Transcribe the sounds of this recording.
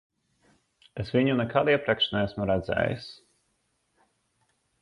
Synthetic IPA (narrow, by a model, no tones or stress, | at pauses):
esvʲiɲunɛkalˠiɛpɾɛkʃnɛæsmuɾæd̪zɛ̰ːjḭs